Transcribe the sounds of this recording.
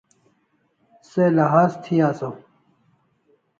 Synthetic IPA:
selɐɦaːzt̪ʰijaːso

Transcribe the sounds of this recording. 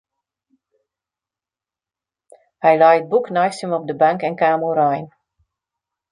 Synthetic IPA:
hɛjlajət̚buknajstəmɔp̚dəbaŋkɛnkaːmuɾajn

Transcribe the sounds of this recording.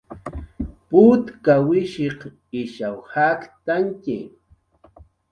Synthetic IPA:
pʊt̪kawɪʃeq | ɪʃawhakt̪aŋkɪ̰

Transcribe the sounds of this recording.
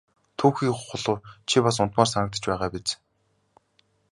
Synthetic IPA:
t̪ʰuːxiːkχʊɮʊːrt͡ɕʰipas̬ʊn̥t̪maːrsanə̆k̚t̪ə̥̆t͡ɕpæːʁaːpit͡s

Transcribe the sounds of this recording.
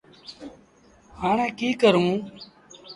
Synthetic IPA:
haːɳẽːkiːkəɾũː

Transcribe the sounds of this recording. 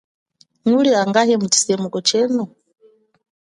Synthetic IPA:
ŋuliaŋɡaɦɛmut͡ʃi̥sɛmukɔt͡ʃɛːnu

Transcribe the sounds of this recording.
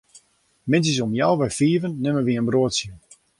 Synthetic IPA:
mɪns̬əsomjawʋɛjfiːəvənːɪməʋiənbroətsjə

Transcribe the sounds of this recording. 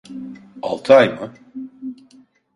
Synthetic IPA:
a̰lˠt̪ʰɯajmɯ

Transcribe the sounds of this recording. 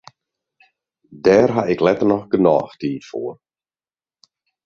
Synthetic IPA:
dɛːrɦaɪklɛtərnɔxɡənɔ̰ːxtʰiːtfoːər

